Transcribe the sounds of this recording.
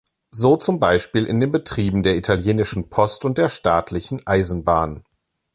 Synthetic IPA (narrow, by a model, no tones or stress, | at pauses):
zoːt͡sʊmbaɪʃpiːlʔɪ̰ndeːnbətʁ̥iːbm̩deːɐitʰaljeːnɪʃn̩pʰɔstʊnt̚d̥eːɐʃtaːtʰlɪçn̩ʔaɪzn̩baːn